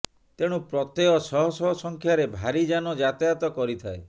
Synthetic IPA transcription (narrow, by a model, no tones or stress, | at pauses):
t̪eɽ̃upɾɔt̪eɔsɔɦɔsɔɦɔsɔŋkʰjaɾebʱaɾid͡ʒanɔd͡ʒat̪jat̪ɔkɔɾit̪ʰae